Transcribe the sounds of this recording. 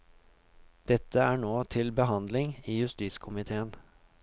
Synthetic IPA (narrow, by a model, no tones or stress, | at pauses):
d̪̥ɛt̪ʰːəæːɳoːt̪ʰɪlbəɦɑnd̪lɪŋiːjʉst̪iːskʰʊmɪt̪ʰeːən